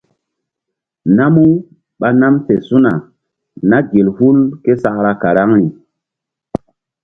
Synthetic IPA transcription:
na˦mu˦ | ɓa˦na˦mse˨su˦na˨ | na˦ɡe˨lhu˦lke˦sa˦˨kɾa˦˨ka˨ɾa˦ŋɾi˨

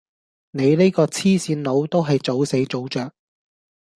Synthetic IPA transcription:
ne˨˧jne˥kɔː˧t͡sʰiː˥siː˨˥nlo˨˧wt̪o˥wɦɐ˨jt͡so˨˥wse˨˥jt͡so˨˥wt͡ʃœː˨k̚

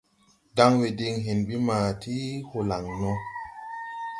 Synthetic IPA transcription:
da˦ŋwe˨di˧ŋɦe˨nbi˦maː˨ti˦ho˨la˨ŋnɔ˦

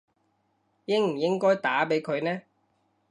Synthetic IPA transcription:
jɪ˥ŋm̩˨˩jɪ˥ŋkɔː˥jt̪aː˨˥pe˨˥jkʰɵ˨˧ɥnɛː˦˥

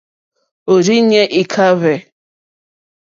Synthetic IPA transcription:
o˨ɾi˦ɲɛ˦ʔi˨kʰa˦βɛ˨

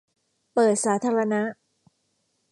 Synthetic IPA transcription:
pɤː˨˩t̪̚saː˩˦˥t̪ʰaː˧ɾa˧na˦˥

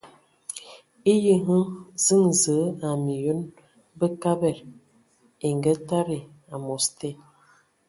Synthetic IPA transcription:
i˦jə˦ɦə˦zə˦ŋzə˨˦a˨mi˨jo˦n | bə˦ka˦bɛ˦˨ɾ | e˨ŋɡə˦ta˦ɾe˨ | a˨mo˨ste˦˨

